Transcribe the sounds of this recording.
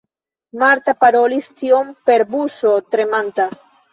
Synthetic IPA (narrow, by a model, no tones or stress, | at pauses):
maɾt̪apaɾolist̪jompeɾbusot̪ɾemãnt̪a